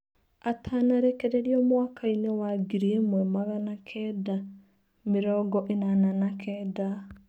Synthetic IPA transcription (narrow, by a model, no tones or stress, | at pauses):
atʰanaɾekeɾeɾiɔmwakainewaɡiɾiemwɛmaɣanakʰɛda | meɾɔːɡɔʔenananakʰɛːda